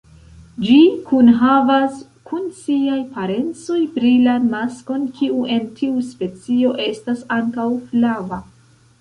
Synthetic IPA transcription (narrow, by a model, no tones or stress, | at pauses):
d͡ʒikunɦavas | kʰunsiajpaɾe̞nt͡so̞jpɾilamasko̞nkʰiuʔe̞ntʰiuspe̞t͡sio̞ʔe̞stasaŋkawflava